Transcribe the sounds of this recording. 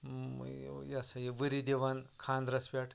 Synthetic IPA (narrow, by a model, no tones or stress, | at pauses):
jasajeʋəɾid̪eʋankʰand̪ɾɐspʲaʈʰ